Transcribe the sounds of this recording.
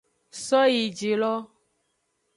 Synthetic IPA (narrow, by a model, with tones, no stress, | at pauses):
sɔ˦ji˨d͡ʒe˨lɔ˦